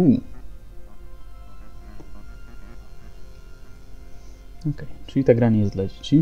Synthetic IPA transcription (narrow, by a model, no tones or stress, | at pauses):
u | ɔkɛjt͡ʂɨlʲit̪aɡɾaɲɛjɛsd̪lad͡ʑet͡ɕi